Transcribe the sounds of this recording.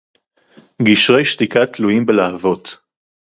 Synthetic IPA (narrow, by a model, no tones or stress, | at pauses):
ɡiʃʁe̞jʃt̪ikat̪lujimbelahavo̞t̪